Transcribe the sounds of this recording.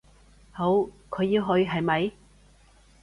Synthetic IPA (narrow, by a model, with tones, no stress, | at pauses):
ho˨˥wkʰɵ˨˧ɥji˧wɦɵ˧ɥɦɐ˨jmɐ˨˧j